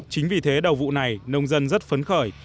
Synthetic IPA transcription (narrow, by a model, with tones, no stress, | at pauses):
t͡ɕï˨˦ŋ̟vi˨˩t̪ʰe˨˦ɗə˨˩wvṵ˧˨na˨˩jnə˧wŋ͡mzə˧nzə˦˥t̚fə˨˦nxəː˧˩j